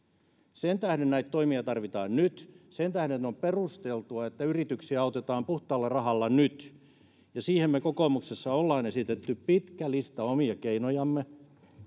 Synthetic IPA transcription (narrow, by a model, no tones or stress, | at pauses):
sent̪æhdennæit̪toimiɑt̪ɑrʋit̪ɑːnnyt̪sent̪æhdennːeomperust̪elt̪uɑet̪ːæyrit̪yksiæɑˑut̪et̪ɑːmpuht̪ˑɑːlːɑrɑhɑlːɑnyt̪ | jɑsiːhemmekokomuksesːɑolːɑːnesit̪et̪ːyppit̪kælist̪ɑomiɑkeinojɑmːe